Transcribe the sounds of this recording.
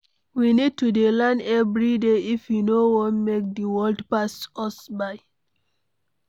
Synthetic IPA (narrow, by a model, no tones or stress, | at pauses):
winid̚tudelãnɛvɹideifjunowɔ̃nmek̚diwɔldpasɔsbaɪ